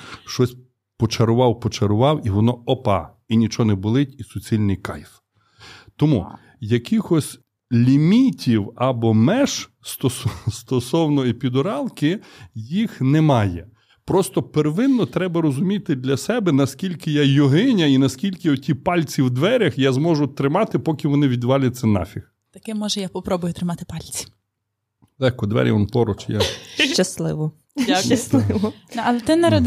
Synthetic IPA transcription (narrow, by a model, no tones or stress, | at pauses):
ʃt͡ʃɔsʲ | pɔt͡ʃɐɾʊʋɑwpɔt͡ʃɐɾʊʋɑwiʋɔnɔɔpɑ̰ | inʲit͡ʃɔnɛbʊlˠɪtʲisʊt͡sʲilʲnɪjkɑ̰jf | t̪ɔmṵ | jɐkixɔsʲ | lʲimʲitʲiwɐbɔmɛʃ | st̪ɔsɔst̪ɔsɔwnɔipʲid̪ɔɾɑlˠkɪjixnɛmɑjɛ | pɾɔst̪ɔpeɾʋɪnːɔt̪ɾɛbɐɾɔzʊmʲit̪ɪd̪lʲɐsɛbɛnɐskʲilʲkɪjajɔɦɪnʲɐinɐskʲilʲkɪɔtʲipɑlʲt͡sʲiwd̪ʋɛɾʲɐxjazmɔʒʊt̪ɾɪmɑt̪ɪpɔkʲɪʋɔnɪʋʲid̪ʋɑlʲɐt͡sʲːɐnɑ̰fʲix | t̪ɐkɪmɔʒɛjapɔpɾɔbʊjʊt̪ɾɪmɑt̪ɪ̥pɑlʲt͡sʲi̥ | lˠɛxkɔd̪ʋɛ̰ɾʲjɐ̰ʋɔnpɔɾɔt͡ʃja̰ʃt͡ʃɐslˠɪ̰ʋɔ | ʃt͡ʃɐslˠɪʋɔnɛɐlˠɛt̪ɪnɐɾɐd̪